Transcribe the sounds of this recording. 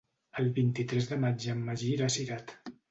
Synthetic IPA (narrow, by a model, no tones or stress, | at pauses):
əlˠβint̪it̪ɾɛzðəmad͡ʒəmːəʒiɾasiɾat̪